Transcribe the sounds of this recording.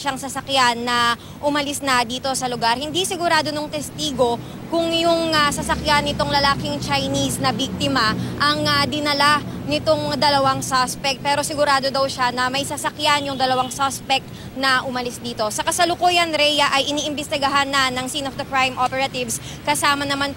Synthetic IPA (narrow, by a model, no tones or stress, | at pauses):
ʃaŋsɐsɐkjanːɐ | ʔʊmɐlɪsnɐd̪iːt̪o̞sɐlʊɡaɾhɪnd̪isɪɡʊɾaːd̪onoŋt̪ɛst̪iːɡo̞ | kʊŋjʊŋasɐsɐkjanːɪt̪oŋlɐlaːkɪŋt͡ʃɐjnisnɐbik̚t̪ɪmɐʔɐŋɐd̪ɪnɐlanɪt̪oŋd̪ɐlɐwaŋsaspɛk̚t̪̚pɛːɾo̞sɪɡʊɾaːd̪o̞d̪ɐwʃanɐmɐjsɐsɐkjanjʊŋd̪ɐlɐwaŋsaspɛk̚t̪ | nɐʔʊmɐlɪsd̪iːt̪o̞sɐkɐsɐlʊkuːjɐnɾɛjɐʔɐjʔɪniːʔɪnbɛst̪ɪɡɐɦanːɐnɐŋsinofd̪ɐkɹajmʔopɛɾɐt̪ɪvs | kɐsaːmɐnɐman